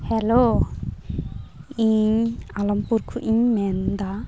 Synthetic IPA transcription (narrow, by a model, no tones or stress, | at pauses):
hɛlo | iɲalɔmpuɾkʰuʔiɲmɛnd̪a